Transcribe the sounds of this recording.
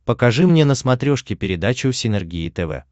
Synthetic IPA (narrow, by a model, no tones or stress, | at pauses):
pəkɐʐɨmnʲe̞nəsmɐt̪ɾʲoʂkʲɪpʲɪɾʲɪd̪at͡ɕʊsʲɪnʲɛrɡʲiɪt̪ɛvɛ̰